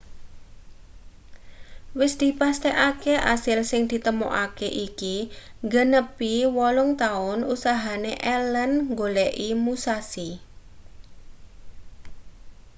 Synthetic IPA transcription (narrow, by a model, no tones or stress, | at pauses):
wɪsd̪̥i̤past̪ɛʔakeʔa̰sɪlsɪŋd̪̥i̤t̪əmo̰ʔakeʔikiŋɡənəpiwɔlʊŋt̪aʊnusaɦaneʔɛlənŋɡoleʔimusasi